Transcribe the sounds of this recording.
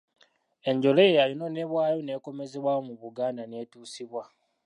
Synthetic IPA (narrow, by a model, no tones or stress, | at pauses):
e̞ɲɟo̞lejejalino̞neβwaːjo̞ne̞ːko̞me̞zeβwaomuβuɡaːnane̞ːtuːsiβwa